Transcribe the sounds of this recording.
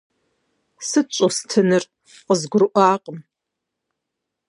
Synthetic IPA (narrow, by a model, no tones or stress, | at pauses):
sɨt͡ʃʷʼostʰɨnɨr | qəzɡʷʊɾɨʔʷaːqʼəm